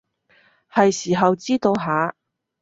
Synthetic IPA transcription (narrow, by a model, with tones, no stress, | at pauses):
hɐ˨jsiː˨˩ɦɐ˨wt͡siː˥t̪o˧wɦaː˨˥